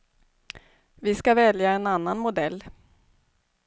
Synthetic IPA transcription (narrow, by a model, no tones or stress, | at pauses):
vɪskavɛljaɛnanːanmʊd̪ɛlː